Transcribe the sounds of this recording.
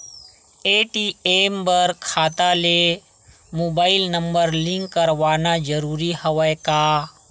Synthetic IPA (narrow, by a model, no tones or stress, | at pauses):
eːʈiembəɾkʰaːt̪ale | moːbaːɪlnəmbəɾlĩŋkːəɾʋaːnad͡ʒəɾuːɾihɐʋəjkaː